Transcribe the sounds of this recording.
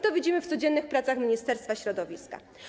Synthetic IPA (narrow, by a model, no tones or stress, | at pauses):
t̪ɔvʲid͡ʑimɘft̪sɔd͡ʑɛnːɘxpɾat̪saxmʲɲist̪ɛɾst̪faɕɾɔd̪ɔvʲiska̰